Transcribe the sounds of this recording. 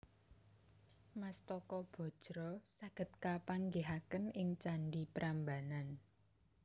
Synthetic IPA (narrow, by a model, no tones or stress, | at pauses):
mast̪ɔkɔb̥ɔ̤d̥ʒ̥ɾɔsaɡ̥ə̤t̪̚kapaŋɡeɦakənɪŋt͡ʃaɳɖipɾʔambanan